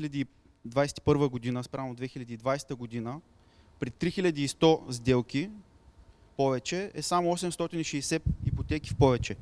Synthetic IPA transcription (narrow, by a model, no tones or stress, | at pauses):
ilʲɐd̪iː | d̪vajsɛ̥t̪i̥pɤɾvəɡod̪inəspɾamod̪vɛxilʲɐd̪iːd̪vajsɛ̥t̪əɡod̪inə | pɾɛt̪ɾixilʲɐd̪iːst̪ɔzd̪ɛlˠki | pɔvɛt͡ʃɛɛsamoɔsɛmst̪ɔt̪iniʃɛːsɛipot̪ɛkifpɔvɛt͡ʃɛ